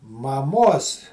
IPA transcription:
mɐˈmoːs

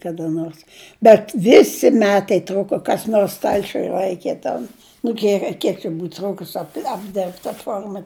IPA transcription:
kɐdɐ ˈnoːrs bʲɛt ˈʋʲɪsʲɪ ˈmʲæːtɐɪ ˈtrʊkoː kɐs ˈnoːrs ˈstɐlʲt͡ʃʲʊj ˈlˠɐɪkʲeː tʲɛn nʊ ˈdʲiɛʋʲɛ ˈkʲiɛk t͡ʃʲɛ ˈbuːt ˈtruːkʊs ɐp ɐbʲˈdʲɪrpt tɐ ˈfoːrmɐ

